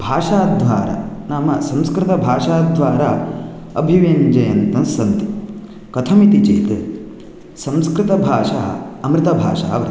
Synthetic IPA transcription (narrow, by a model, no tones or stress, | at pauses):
bʱaːʂaːd̪ʱʋaːɾɐ̰naːmɐsɐ̃mskɾɪt̪ɐbʱaːʂaːd̪ʱʋaːɾa | ɐ̰bʱiʋend͡ʒɐjɐnt̪ɐnsɐnt̪i̥ | kɐt̪ʰɐmit̪it͡ʃeːt̪ | sɐ̃mskɾɪt̪ɐbʱaːʂa̰ːɐmɾɪt̪ɐbʱa̰ːʂa̰ːɐʋɐɾ